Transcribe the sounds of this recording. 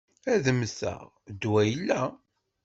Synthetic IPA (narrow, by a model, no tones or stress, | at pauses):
æðəmsə̰ʁ | d̪wæjəlːæ